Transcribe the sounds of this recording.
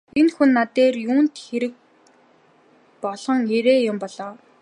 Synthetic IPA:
enxunːat̪eːrjuːnt̪xeɾɘ̆k̚ | pɔɮ̥ɞ̆ŋeɾeːjʊmpɔɮɔː

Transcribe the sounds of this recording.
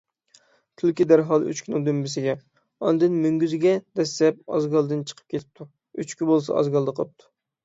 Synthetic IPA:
t̪ʰylkʲid̪æɾɦɑlˠy̰t͡ʃkʲʰynɪŋd̪ømbɪsɪɡʲɛ | ɑnd̪ɨnmyŋɡʲyzɪɡʲɛd̪̥ɛsːɛp̚ɑ̰zɡɑlˠd̪ɨnt͡ʃʰə̥qʰə̥p̚kʲʰet̪ʰɪ̥p̚t̪ʰu | yt͡ʃkʲybolˠsɑ̰ɑ̰zɡɑlˠd̪əqʰəlˠəp̚t̪ʰu̥

